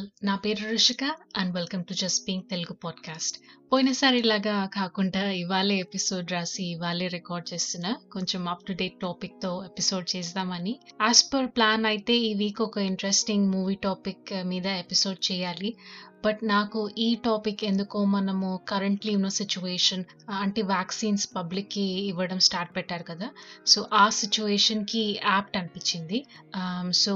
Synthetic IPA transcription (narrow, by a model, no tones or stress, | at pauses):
naːpeːɾuɾuʂɐkaɐnɖʋelkɐmʈud͡ʒɐspiŋɡt̪e̞luɡupaːɖkaːsʈpoːjinɐsaːɾilaːɡaːkaːkuɳɖaːiʋaːleːepiso̞ːɖɾaːsiːʋaːleːɾikaːɾɖ̚t͡ʃeːst̪unːaːko̞ɲt͡ʃemaːp̚ʈuɖeʈoːpik̚t̪o̞ːepiso̞ːɖ̚t͡ʃeːs̬t̪aːmɐniaːspoɾplaːnɐjit̪e̞ːiʋiːkɔkɐiɳʈɾesʈiŋɡmuːʋiːʈaːpikmiːd̪ɐepiso̞ːɖ̚t͡ʃɛːjaːlibɐʈnaːkuʔiːʈaːpikːe̞nd̪ukoːmɐnɐmukɐɾɐɳʈlinoːsit͡ʃueːʂɐn | ɐɳʈeːʋaːksiːnspɐblikːiːʋːɐɽɐmsʈaːɾʈ̚pɛʈːaːɾukɐd̪aːsoːʔaːsit͡ʃueːʂɐnkiaːp̚ʈɐnipiɲt͡ʃːind̪i | soː